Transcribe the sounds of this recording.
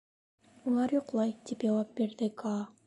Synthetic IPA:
ulˠɑɾjoqlˠɑjd̪ipd͡ʒɑwɑp̚beɾd̪ɪka

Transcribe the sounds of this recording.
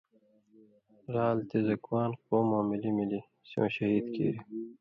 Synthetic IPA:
ɾaːlt̪ezɐkwaːnqoːmõːmilimili | sjõ̰ːɕɐɦiːd̪kḭːɾi

